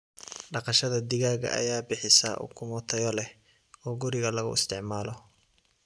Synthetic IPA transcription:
ɖɑqɑʃɐðɐd̪ɪɣaːɣɐ̰ʔɐ̰jaːbɪħɪsa̰ːʔṵkʰʊmʊt̪ʰɐjɔlɛ | ɔːɡʊɾɪɣɐlɐɣʊ̰ɪ̰st̪ʰɪʕmaːlɔ

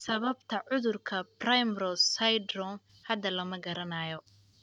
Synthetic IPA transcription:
sɐβɐbt̪ʰɐʕʊðʊrkʰɐbrajmrɔssɐjd̪rɔn | hɐd̪ɐlɐmɐɡɐɾɐnaːjɔ

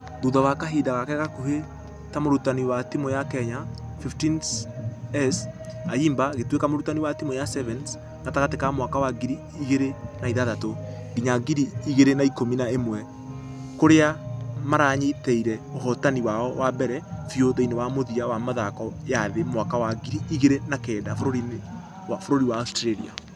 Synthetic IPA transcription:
ðuðawakaɦeːdaɣakɛɣakuhe | tamoɾutaniwatimɔjakɛɲafiftinsɛsaiːmbaɣetwekamoɾutaniwatimɔjasɛvɛns | ŋataɣatekamwakawaɡiɾiːɣeɾenaiðaðato | ɡiɲaɡiɾiːɣeɾenaikominaemwɛ | koɾeamaɾaːɲetɛiɾɛohɔtaniwaɔwabɛɾɛfioðeinewamoðiawamaðakɔjaðemwakawaɡiɾiːɣeɾenakɛːdafoɾoɾi | wafoɾoɾiwaːstɾeɾḭa̰

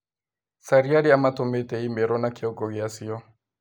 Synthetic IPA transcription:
saɾiaɾiamatɔmɛtɛimbɛɾɔnakiɔɡɔɣiasiɔ

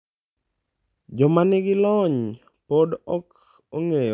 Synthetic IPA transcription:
d͡ʒɔmanɪɡɪlɔɲ | podɔk | oŋej

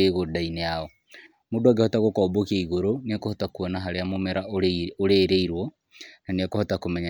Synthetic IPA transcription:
eɣodaineaɔ | modwaɡehotaɣokɔbokieiɣoɾoniakohotakuɔnaɦaɾeamomeɾaooɾeɾeiɾwɔ | naniakohotakomɛɲa

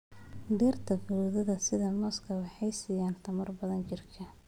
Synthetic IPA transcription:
d̪ɛːrt̪ʰɐfʊɾuːðɐðɐsɪðɐmɔskʰɐwɑħɑjsɪjaːnt̪ʰɐmɐrbɐðɐnt͡ʃɪrkʰɐ

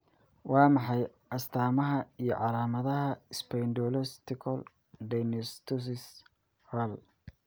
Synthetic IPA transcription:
wɑːmɑħɑj | ɐst̪ʰaːmɐɦɐijɞ̰ʕɑlaːmɐðɐɦɐɪspʰɛjndɔːlɛst̪ɪkʰɔl | dɛnɪst̪ʰʊs̬ɪs | hɛl

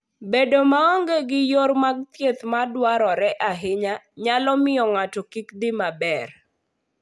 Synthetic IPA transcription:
bedomaɔŋɡeɡɪjormaɡ̚t̪jet̪madwaɾɔɾɛʔaɦɪɲaɲalɔmɪjɔŋatɔkikd̪ɪmabɛr

